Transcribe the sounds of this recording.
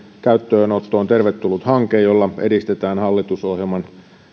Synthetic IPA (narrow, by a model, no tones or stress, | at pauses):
kæyt̪ːøːnot̪ːoːnt̪erʋet̪ːulːut̪hɑŋkeːjjolːɑedist̪et̪æːnhɑlːit̪usohjelmɑn